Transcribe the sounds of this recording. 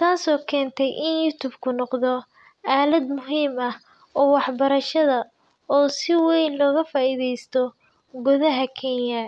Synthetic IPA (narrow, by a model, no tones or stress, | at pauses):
t̪ʰaːsɔːkʰɛːnt̪ʰɛjʔɪnjut̪ʰuːbkʰʊnɔqðɔ | ʔaːlɐd̪mʊɦiːmɐh | ɔːwɑħbɐɾɐʃɐðɐ | ɔːsɪwɛjnlɔːɣɐfaːiðɛjst̪ʰɔ | ɡʊðɐɦɐkʰɛnjɐ